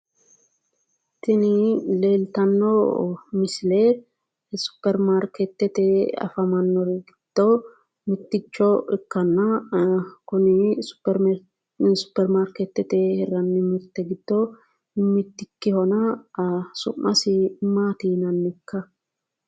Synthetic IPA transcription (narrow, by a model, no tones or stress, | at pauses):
t̪ːɪnɪleːlt̪ɐnːɔmɪsɪle | sʊ̥pːɛɾmaɾkɛt̪ːɛt̪ɛɐ̰fɐmɐnːɔɾɛɡɪd̪̥ːɔ | mɪt̪ːɪt͡ʃːɔɛkːɐnːɐ | kʊnɪsʊ̥ɾ | sʊ̥pːɛɾmaːɾkɛt̪ːɛt̪ɛhɛrɐnːɪmɪɾt̪ːɛɡɪd̪̥ːɔ | mɪt̪ːɪkːɪhɔnɐ | sʊ̰mːɐsɪmaːt̪iːnɐnːɪkʰːɐ